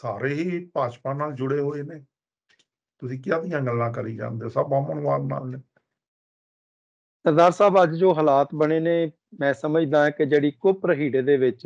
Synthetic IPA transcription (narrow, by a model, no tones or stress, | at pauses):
saːɾeːɦiːpaːt͡ʃpãːnaːld͡ʒʊɽeːɦoːeːneː | t̪ʊsĩːkɪjãːd̪ɪjãːɡəlːãːkəɾiːd͡ʒã̰ːnd̪eaːsəbaːməɳʋaːɾna̰ːlneː | səd̪aːɾsaːbəd͡ʒd͡ʒoːɦəlaːt̪bəɽeːneː | mɛ̃ːsəməd͡ʒd̪ãːɦɛːked͡ʒeːɽiːkʊpɾɦiːɽeːd̪eːʋɪt͡ʃ